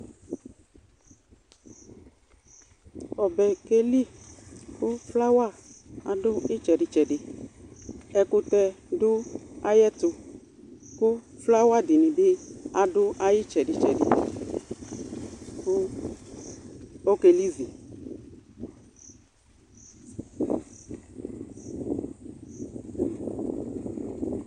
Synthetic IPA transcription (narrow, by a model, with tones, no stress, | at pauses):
ɔ˨bɛ˨ke˦li˦˨kʊ˦fla˦wa˦˨a˨dʊ˦ɪ˦t͡ʃɛ˨dɪ˨t͡ʃɛ˨dɪ˨ | ɛ˧kʊ˧tɛ˧dʊ˦a˦jɛ˦tʊ˧ | kʊ˦fla˦wa˦dɪ˨nɪ˨bɪ˦a˨dʊ˦ʔa˦jɪ˦t͡ʃɛ˨dɪ˨t͡ʃɛ˨dɪ̰˨ | kʊ˦ | o˦ke˨li˦zi˨